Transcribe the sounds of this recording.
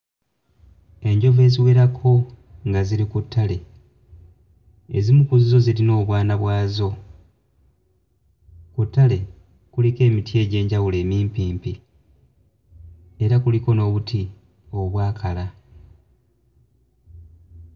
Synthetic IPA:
e̞ɲɟo̞ve̞ːziwe̞ɾakʰo̞ | ŋɡaziɾikutʰːale̞ | ezimukuzizo̞zilino̞ːβwaːnaβwaːzo̞ | kutːale̞ | kulike̞ːmitje̞ːɟe̞ːɲɟawule̞ːmiːmpiːmpi | e̞ɾakuliko̞no̞ːβutʰi | o̞βwaːkʰala

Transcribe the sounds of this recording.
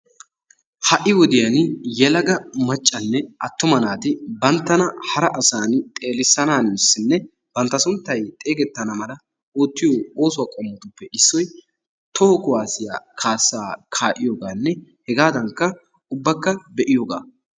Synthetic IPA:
hɐʔɪwɔd̪ɪjɐnjɛlɐɡɐmɐt͡ʃʼːɐnːɛɐt̪ːʊmɐnaːt̪ɪbɐnt̪ːɐnɐhɐɾɐʔɐsaːnt̪ʼe̞ːlɪsːɐnaːnmɪsːɪnːɛ | b̥ɐnt̪ːɐsʊnt̪ːɐjt̪ʼe̞ːɡɛt̪ːɐnɐmɐlɐ | oːt̪ːɪjooːsʊwaːkʼɔmːɔt̪ʊpːɛʔɪsːɔj | t̪ʰɔhkʊwaːsɪja̰ːkʰaːsːaːkʰaːʔɪjoːɡaːnːɛhɛɡaːd̪ɐŋkːɐ | ʊbːɐkːɐbɛʔɪjoɡa̰ː

